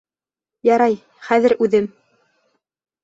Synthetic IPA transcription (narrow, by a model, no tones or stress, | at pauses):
jɑɾɑj | χæðɘ̆ɾʉðɘm